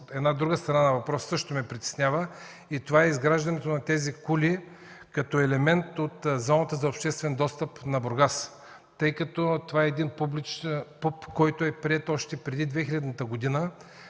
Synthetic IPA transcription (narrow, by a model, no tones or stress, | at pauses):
ɛd̪nad̪ɾuɡəst̪ɾɐnanɐvɐpɾɔssɤʃt̪omɛpɾit̪ɛ̥snʲjavə | it̪ovaɛizɡɾaʒd̪ɐnɛt̪onɐt̪ɛzikuli | kɐt̪ɔɛlɛmɛnt̪ot̪zɔnət̪əzɐopʃt̪ɛst̪vɛnd̪ɔst̪əpnɐboɾɡas | t̪ɤjkɐt̪ɔt̪ovaɛɛd̪inpublit͡ʃpupkɔjt̪oɛpɾiɛt̪ɔʃt̪ɛpɾɛd̪id̪vɛxilʲɐd̪nət̪əɡod̪inə